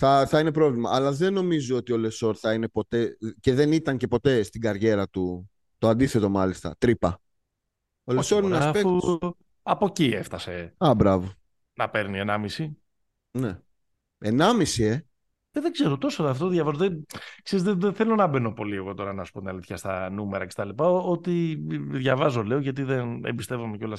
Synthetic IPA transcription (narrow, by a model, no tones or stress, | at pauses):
θɐθɐine̞pɾo̞vlimɐːlɐðe̞no̞mizoot̪io̞le̞so̞ɾθɐine̞po̞t̪e̞ce̞ðe̞nit̪ɐɲce̞po̞t̪e̞st̪iɡɐɾʝe̞ɾɐt̪u | t̪oɐnd̪iθe̞t̪o̞mɐlist̪ɐ̰t̪ɾipɐ | o̞leso̞ɾineɐspek | ɐpo̞cieft̪ɐseɐbɾɐvo | nɐpe̞ɾnienɐmisi | ne | enɐmisie̞ | eðe̞ɡze̞ɾot̪o̞soɐft̪oðʝɐvɐzoðekseizeðeθe̞lo̞nɐbe̞no̞po̞lieɣo̞t̪o̞ɾɐnɐsu̥po̞t̪inɐliθçɐst̪ɐ̰numeɾɐ̰cest̪ɐlipɐot̪iðʝɐvɐzo̞le̞oʝɐt̪̬iðenḛbist̪e̞vumeceo̞lɐs